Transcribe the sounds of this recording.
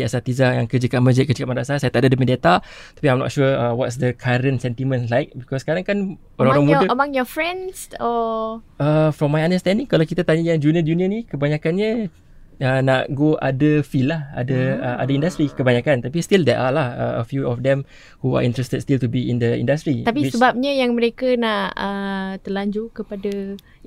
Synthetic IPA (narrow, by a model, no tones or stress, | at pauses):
iasat̪izajaŋkəd͡ʒəkaməd͡ʒəkəd͡ʒəkap̚maɾasasajat̪aʔdadəmədat̪at̪ḁpiãjmnɔ̰t̚ʃuəəwɔtsdəkʰaɾə̃nsɛnt̪imə̃nlajk̚bikɔskaɾaŋkan | oɾaŋoɾaŋmudəəmãŋjɔfɹɛ̃nsɔ | əfɾɔmːajãndəst̪ɛ̃ndiŋkalawkit̪at̪aɲajaŋd͡ʒuniəduniənikəbaɲakanɲə | ənaʔɡoʔa̰dəfillaha̰dəəa̰daĩndast̪ɾikəbaɲakant̪ap̬ist̪ildɛʔalahə̰ə̰fjuɔfd̪ɛ̃m | hua̰ʔḭ̃nt̪ɾɛst̪əd̚st̪ilt̪ubiḭ̃ndəḭ̃ndast̪ɾit̪apisisəbap̚ɲajaŋməɾekənaʔʔət̪ərlaɲd͡ʒukəpadə